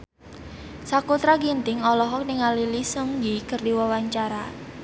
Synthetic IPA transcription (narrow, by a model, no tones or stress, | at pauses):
sakut̪ɾaɡint̪ɪŋɔlɔɦɔk̚niŋalilisəŋjikərdiwawaɲt͡ʃaɾa